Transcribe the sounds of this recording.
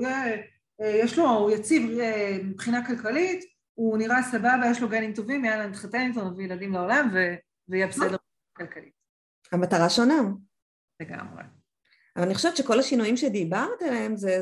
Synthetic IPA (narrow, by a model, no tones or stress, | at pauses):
je | jeʃlojat͡sivepχinakalkalit | uniʁasababajeʃloɡenimto̞vimjalamit̪χatentonavijeladimleo̞lamve | veijɛbesedeʁ | akalkalit̚ | hamataʁaʃo̞na | leɡa̰mʁḛ | avalaniχoʃeett͡ʃʃeko̞lhaʃinujimʃed̪ibaʁt̪ileemze